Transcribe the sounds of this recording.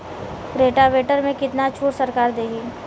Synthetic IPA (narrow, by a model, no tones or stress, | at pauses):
pɾeːʈaʋeːʈəɾmẽkɪt̪nat͡ʃʰuːʈsɐɾkaːɾd̪eːɦiː